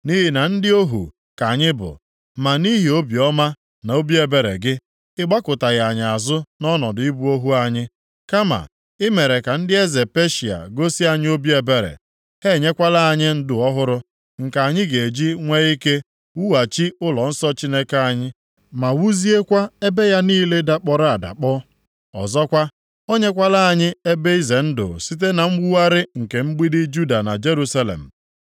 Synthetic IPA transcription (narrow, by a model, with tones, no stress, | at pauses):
ni˦ɦi˨na˨n̩˦dɪ˦o˦ɦṵ˨ | ka˨ɲɪ˦bʊ̰˨ | ma˨ni˦ɦi˨o˦bi˨ɔ˦ma˦ | na˨o˦bi˦e˨be˨ɾḛ˨ɡɪ˦ | ɪ˦ɡ͡ba˦kʊ˨ta˨ɣa˨ɲɪ˨a˨zʊ˦nɔ˦nɔ˨dʊ˨ɪ˦bu˦o˦ɦu˦a˨ɲɪ˦ | ka˦ma̰˨ | ɪ˦me˨ɾe˨ka˨n̩˦dɪ˦e˦ze˨pe˦ʃi˨a̰˨ɡo˦si˦a˨ɲɪ˦o˦bi˦e˨be˨ɾḛ˨ | he˦˨ɲe˦kʷa˦la˦a˨ɲɪ˦n̩˦dʊ˨ɔ˦ɦʊ˦ɾʊ˦ | ŋ̩˨ka˨a˨ɲɪ˦ɡe˨d͡ʒi˦ŋʷe˦i˦ke˦ | wu˦wa˨t͡ʃi˦ʊ˦lɔ˨n̩˦sɔ˦t͡ʃi˦ne˦ka˦a˨ɲɪ˦ | ma˨wu˦zi˦e˦kʷa˦e˦be˦ja˦niː˦le˦da˦k͡pɔ˨ɾa˨da̰˨k͡pɔ˦ | ɔ̰˨zɔ˦kʷa˦ | o˦ɲe˦kʷa˦la˦a˨ɲɪ˦e˦be˦i˦ze˨n̩˦dʊ̰˨si˦t̬e˦na˨ŋ͡m̩˦ɡ͡bu˦wa˦ɾɪ˦ŋ̩˨ke˨ŋ͡m̩˦ɡ͡bi˦dɪ˦d͡ʒu˦da˨na̰˨d͡ʒe˦ɾu˦sa˦lḛ˨m̩˨